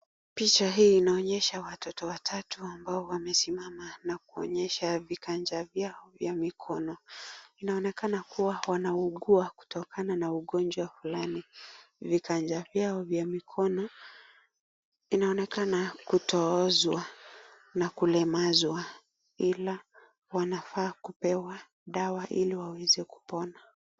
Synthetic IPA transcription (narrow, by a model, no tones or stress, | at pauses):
pit͡ʃaɦiːnaɔɲɛʃawatʰɔtɔwatʰatuambaɔwamɛsimamanakuɔ̰ɲɛʃavikand͡ʒavjaɔvjamikʰɔnɔinaɔnɛkanakuwawanauɠuaku̥tʰɔkananauɠɔnd͡ʒwafulanivikand͡ʒavjaɔvjamikʰɔnɔ | inaɔnɛkanakutɔɔzwa | nakulɛmazwa | ila | wanafaːkupɛwa | ɗawaʔiliwawɛzɛku̥pɔna